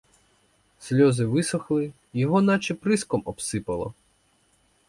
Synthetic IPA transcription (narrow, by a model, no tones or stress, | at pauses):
sʲlʲɔzɪʋɪsɔxlˠɪ | jɔɦɔnɑt͡ʃɪpɾɪskɔmɔpsɪpɐlˠɔ̰